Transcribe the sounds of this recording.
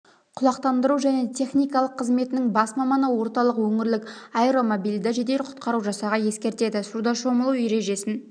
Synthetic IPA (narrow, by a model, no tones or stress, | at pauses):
qʰʊlˠɑqt̪ɑnd̪əɾuwʒæne̞t̪ʲʰe̞χnijkɑlˠəqʰːəzme̞t̪ɪnɪŋbɑsmɑmɑnəwo̞ɾt̪ɑlˠəqwɵŋɪɾlɪkajɾo̞mobijlʲd̪ɪʒe̞d̪e̞lɪqʰʊ̥t̪̚qɑɾuwʒɑsɑʁɑje̞skʲe̞ɾt̪e̞d̪ɪsuɾd̪ɑʃo̞məlˠuwjeɾe̞ʒe̞sɪn